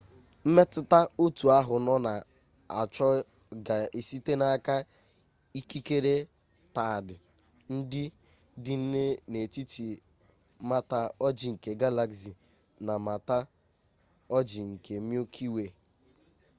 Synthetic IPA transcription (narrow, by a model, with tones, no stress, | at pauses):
m̩˦me˦tʊ˦ta˦o˦tu˨a˦ɦʊ˨nɔ˦na˨ | a˨t͡ʃɔ˦ | ɡa˨i˨si˦te˦na˦ka˦ | i˦ki˦ke˦ɾe˦ | ta˨dɪ˨ | n̩˦dɪ˦ | dɪ˦n̩˦ne˦ne˨ti˦ti˨ | ma˦ta˦ɔ˦d͡ʒi˨ŋ̩˨ke˨ɡa˦la˦ksi˨ | na˨ma˨ta˦ | ɔ˦d͡ʒi˨ŋ̩˨kʰe˨mjo˦kʰi˦we˨